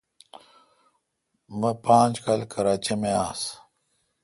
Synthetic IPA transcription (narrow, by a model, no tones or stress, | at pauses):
mɐpãːnd͡ʑkalkʰɐɾaːt͡ɕimeaːs